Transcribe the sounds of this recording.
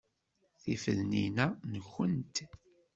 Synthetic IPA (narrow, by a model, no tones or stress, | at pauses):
θifə̰ðninænəçːənt̪